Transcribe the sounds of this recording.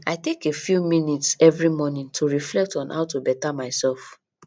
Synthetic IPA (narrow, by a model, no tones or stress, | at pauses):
aɪtekefjumĩnitsɛvɹimɔnĩntʰuɹiflɛk̚tɔ̃nhaʊtubɛtamaɪsɛlf